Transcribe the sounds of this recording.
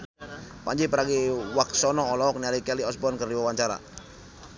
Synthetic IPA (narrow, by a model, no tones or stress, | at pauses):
pa̰ɲd͡ʒipəɾaɡiwak̚sɔnɔːlɔɔk̚nialikɛliɔsbɔnkərdiwawaɲt͡ʃaɾa̰